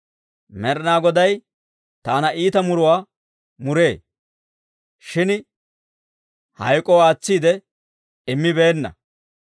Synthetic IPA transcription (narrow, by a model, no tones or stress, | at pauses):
mɛɾnaːɡɔd̪ɐj | t̪aːnɐiːt̪ɐmʊɾʊwaː | mʊɾe̞ː | ʃɪn | hɐ̰jkʼɔwaːt͡sːiːd̪ɛ | ɪmːɪbe̞ːnːɐ̰